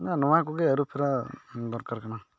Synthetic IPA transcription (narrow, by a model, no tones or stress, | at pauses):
nanɔʋãk̬uɡeəɾupʰiɾad̪ɔɾkaɾkaɽa